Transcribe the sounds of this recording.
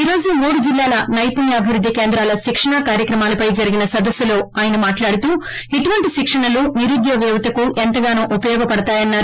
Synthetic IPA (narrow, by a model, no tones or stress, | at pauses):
iːɾo̞ːd͡ʒumuːɽud͡ʒilːaːlɐnɐjpunjɐɐbʱiʋɾud̪ʱːikeːnd̪ɾaːlɐʃikʂɐɳakaːɾjɐkɾɐmaːlɐpɐjd͡ʒɐɾiɡinɐsɐd̪ɐsːulo̞ːaːjɐnɐmaːʈlaːɽut̪uː | iʈuʋɐɳʈiʃikʂɐɳɐluniɾud̪jɔːɡɛːʋɐt̪ɐkuʔent̪ɐɡaːnuːʔupɐjɔːɡɐpɐɽɐt̪aːjɐnːaːɾu